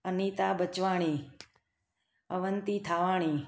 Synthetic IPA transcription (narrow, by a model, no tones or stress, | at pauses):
əniːt̪aːbət͡ʃʋaːɳ̃i | əʋənt̪it̪ʰaʋaːɳ̃i